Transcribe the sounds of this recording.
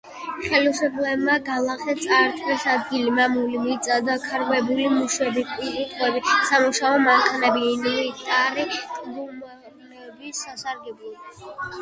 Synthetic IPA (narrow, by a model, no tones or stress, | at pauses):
χɛlisɔpʰlɛbmaɡalˠaχɛt̪sʼaɾt̪ʰvɛsad̪ɡilimamulimit̪sʼad̪akʰaɾvɛbulimuʃwɛbipʼikʼut̪ʰʼwɛbisamuʃaɔmaŋkʰanɛbiːnmit̪ʼaɾikʼbuma | nɛbisasaɾɡɛbulˠi